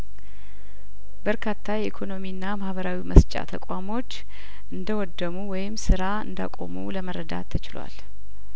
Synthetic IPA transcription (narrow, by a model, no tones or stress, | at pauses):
bəɾkʰat̪ʰːajɛʔikʰo̞no̞miɨnːamahβəɾawiməst͡ʃʼa̰t̪ʰəkʷʼamo̞t͡ʃː | ʔɨnd̪əwɔd̪ːəmuwɔjɪmsɨɾaɨ̰nd̪a̰kʼo̞̰mṵləməɾəd̪a̰t̪ʰːət͡ʃɪlwa̰l